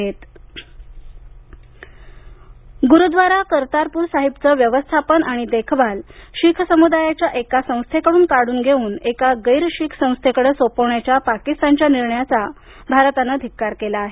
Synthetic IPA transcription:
et̪ | ɡuɾud̪ʋaɾakəɾt̪aɾpuːɾsaɦibt͡səʋjəʋəst̪ʰapənaɽ̃id̪ekʰʋalɕikʰsəmud̪ajat͡ɕjaʔekasə̃w̃st̪ʰekəɽuːnkaɽuːnɡʱeuːnekaɡəjɾɕiːkʰsə̃w̃st̪ʰekəɽəsopəwɳjat͡ɕjapakist̪ant͡ɕjaniɾɳjat͡sa | bʱaɾt̪anəd̪ʱikːaɾkelaːɦe

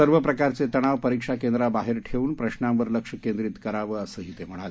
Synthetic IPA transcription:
əɾʋəpɾəkaɾt͡set̪əɽ̃aʋpəɾikʂakend̪ɾabaɦeɾʈʰeuːnpɾəɕɳãmʋəɾləkʂəkend̪ɾiːt̪kəɾaʋəːəsəːɦit̪em̤əɽ̃ale

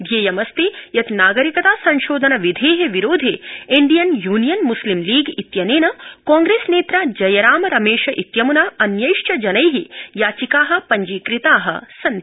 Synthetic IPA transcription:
d̪ʱjeːjɐmɐst̪ijɐt̪naːɡɐɾikɐt̪aːsɐɲʃoːd̪ʱɐnɐʋid̪ʱeːɦeʋiɾoːd̪ʱeiɳɖijɐnjuːnijɐnmuslimliːɡit̪jɐneːnɐkaːŋɡɾeːsneːt̪ɾaːd͡ʒɐjɐɾaːmɐɾɐmeːʃɐʔit̪jɐmunaːɐnjɐjʃt͡ʃɐd͡ʒɐnɐjɦijaːt͡ʃikaːɦɐ̆pɐɲd͡ʒiːkɾit̪aːɦɐ̰sɐn

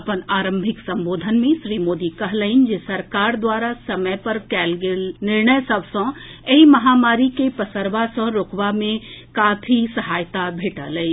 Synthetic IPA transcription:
ɐpənaːɾə̃mbʱɪksɐ̃mboːd̪ʱənmẽʃɾiːmoːd̪ikɐɦləɪnd͡ʒesɐɾkaːɾd̪waːɾasɐməjpɐɾkɛːlɡelnɪɾɳəjsɐbsə̃ | ɐimɐɦaːmaːɾikepɐsəɾʋasə̃ɾokʋamẽkaːpʰisɐɦaːjt̪abʱeːʈaləi

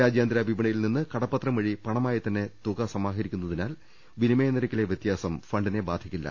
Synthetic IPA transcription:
aːd͡ʑjaːnd̪ɾɐbʱibɐɳɐjilninːɨkɐɽɐpːɐt̪rɐmʋɐɻipɐɳɐmaːjɐt̪ɐnːe̞t̪uɣɐsɐmaːɦɐɾikʲːunːɐðinaːl | ʋinimejɐnɐɾɐkʲːileʋjet̪jaːsɐmfɐɳɖine̞baːd̪ʱikʲːilːɐ̰

